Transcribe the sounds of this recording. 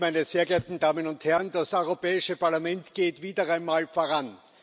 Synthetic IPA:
mæɪnəz̥eːɐɡɐt̪n̩daːmənʊnthɛɐnd̥asʔɔʏʁopɛːɪʃəpaɐlamɛntɡ̥eːtv̥iːdɐaɪnmaːlfoːɐʁan

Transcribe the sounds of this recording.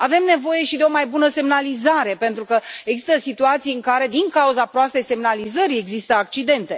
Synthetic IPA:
ave̞mne̞vo̞je̞ʃid̪eo̞majbunəse̞mnalizaɾe̞pe̞nt̪ɾukəeɡzi̥st̪əsit̪uat̪sijɨŋkaɾe̞d̪iŋkauzapɾoast̪e̞jse̞mnalizəɾie̞ɡzist̪əak̚t͡ʃid̪e̞nt̪e̞

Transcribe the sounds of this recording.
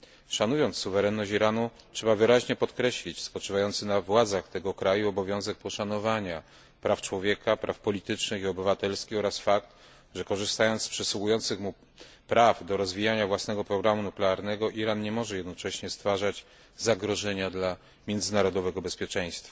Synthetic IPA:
ʂanujɔnt̪ssːuvɛɾɛnːɔɕt͡ɕiɾanu | tʂɛbavɘɾaʑɲɛpɔt̪kɾɛɕlʲit͡ɕspɔt͡ʂɘvajɔnt̪sɘnavwad̪zaxt̪ɛɡɔkɾajuɔbɔvʲjɔ̃w̃zɛk̚pɔʂanɔvaɲa | pɾaft͡ʂwɔvʲjɛkapɾʔa̰fpɔlʲit̪ɘt͡ʂnɘxiɔbɘvat̪ɛlskʲixɔɾasfakt̪ | ʐɛkɔʐɘst̪ajɔnt̪spʂɘsuujɔnt̪sɘxmu | pɾavd̪ɔɾɔzvʲijaɲavwasnɛɡɔpɾɔɡɾamunuklɛaɾnɛɡɔʔiɾanɲɛmɔʐɛjɛd̪nɔt͡ʂɛɕɲɛst̪faʐad͡ʑ | zaɡɾɔʐɛɲad̪la | mʲjɛnd̪zɘnaɾɔd̪ɔvɛɡɔbɛspʲjɛt͡ʂɛ̃j̃st̪fa

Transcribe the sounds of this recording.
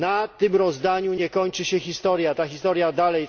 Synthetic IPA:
nat̪ɘmɾɔzd̪aɲuɲɛkɔɲt͡ʂɘɕɛxʲist̪ɔɾjat̪axʲist̪ɔɾjad̪alɛj

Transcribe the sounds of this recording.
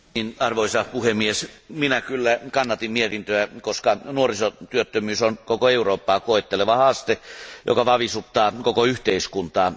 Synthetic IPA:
ninɑrʋoisɑpuhemːiesminækylːækɑnːɑt̪immiet̪int̪øækoskɑnuorisot̪yøt̪ːømyːsonkokoeuroːpːɑːkoˑet̪ːeleʋɑhɑst̪ejo̰kɑʋɑʋisut̪ːˑɑːkokoyht̪eiskunt̪ɑː

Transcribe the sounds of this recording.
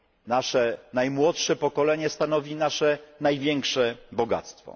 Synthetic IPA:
naʂɛnajmwɔtʂɛpɔkɔlɛɲɛst̪anɔvʲinaʂɛnajvʲjɛŋkʂɛbɔɡa̰t̪st̪fɔ̰

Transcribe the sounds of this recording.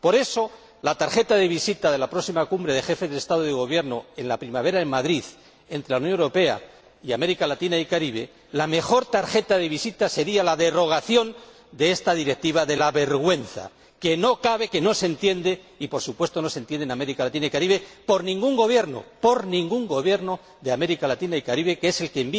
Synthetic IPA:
po̞ɾe̞so̞ | lat̪aɾxe̞t̪aðe̞βisit̪aðe̞lapɾosimakumbɾe̞ðe̞xe̞fe̞zðest̪að̞oð̞eɣ̞o̞β̞je̞ɾno̞e̞nlapɾimaβ̞e̞ɾaemaðɾiθ | e̞nt̪ɾe̞launjo̞neɾo̞pe̞a̰ | iame̞ɾikalat̪inaikaɾiβ̞e̞̰ | lame̞xo̞ɾt̪aɾxe̞t̪aðe̞βisit̪ase̞ɾialaðe̞ro̞ɣ̞aθjo̞n | d̪e̞est̪aðiɾek̚t̪iβaðe̞laβe̞ɾɣwe̞nθa̰ | ke̞no̞kaβe̞ke̞no̞sent̪je̞nd̪e̞ | ipo̞ɾsupwe̞st̪o̞no̞se̞nt̪je̞nd̪ename̞ɾikalat̪inaikaɾiβe̞po̞ɾnĩŋɡuŋɡo̞βje̞ɾno̰po̞ɾnĩŋɡuŋɡo̞βje̞ɾno̞ | ðeame̞ɾikalat̪inaikaɾiβe̞kee̞se̞lkemb

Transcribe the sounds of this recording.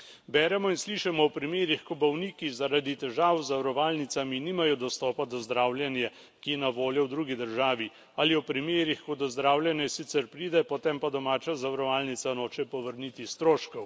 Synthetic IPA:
bɛːɾɛmɔinsliːʃɛmɔɔpɾimeːɾixkɔbɔwnikizaɾad̪it̪ɛʒaːwzawɾɔʋaːlnit̪saminiːmajɔd̪ɔst̪ɔːpad̪ɔzd̪ɾawljɛnjɛ | kijɛnaʋoːljɔwd̪ɾuːɡid̪əɾʒaːʋi | aliɔpɾimeːɾixkɔd̪ɔzd̪ɾaːwljɛnjɛsit̪sɛɾpɾiːd̪ɛpɔt̪empad̪ɔmaːt͡ʃazawɾɔʋaːlnit̪sanoːt͡ʃɛpɔʋəɾnit̪ist̪ɾoːʃkɔw

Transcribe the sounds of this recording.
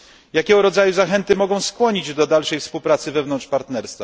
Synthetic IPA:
jakʲɛɡɔɾɔd̪zajuzaxɛnt̪ɘmɔɡɔ̃w̃skwɔɲid͡ʑd̪ɔd̪alʂɛjfspuwpɾat̪sɘvɛvnɔnʂpaɾt̪nɛɾst̪fa

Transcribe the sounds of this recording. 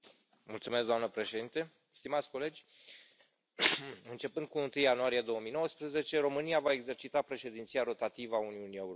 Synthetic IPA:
mult̪sume̞s̬ɡd̪oamnəpɾe̞ʃed̪int̪e̞ | st̪imat̪sʲko̞le̞d͡ʒʲ | ɨnt͡ʃe̞pɨnd̪̚kuɨnt̪ɨjːanuaɾijed̪o̞wəmijno̞wəspɾəze̞t͡ʃe̞ɾo̞mɨniavae̞ɡze̞rt͡ʃit̪apɾe̞ʃe̞d̪int̪siaɾo̞t̪at̪ivəauniunie̞uɾ

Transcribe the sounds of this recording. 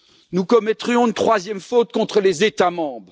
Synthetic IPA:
nukɔmɛt̪χjɔ̃ynt̪χwazjɛmfot̪̚kɔ̃t̪χəlezet̪amɑ̃ːbʁ

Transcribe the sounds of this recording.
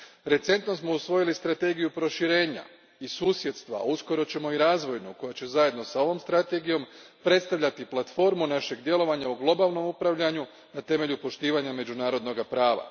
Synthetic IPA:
ɾe̞t̪se̞nt̪no̞smo̞usʋo̞jilist̪ɾat̪e̞ɡijupɾo̞ʃiɾe̞ːɲa̰ | isuːsje̞t̪st̪ʋa̰usko̞ɾo̞t͡ɕe̞mo̞iɾaːzʋo̞jnuko̞jat͡ɕe̞zaje̞d̪no̞sao̞ʋo̞mst̪ɾat̪e̞ɡijo̞mpɾe̞t̪st̪aʋʎat̪iplˠat̪fo̞ɾmunaʃe̞ɡd̪je̞lo̞ʋaɲauɡlˠo̞baːlˠno̞mupɾaʋʎaɲu | nat̪e̞me̞ʎupo̞ʃt̪iːʋaɲame̞d͡ʑunaːɾo̞d̪no̞ɡapɾaːʋa̰

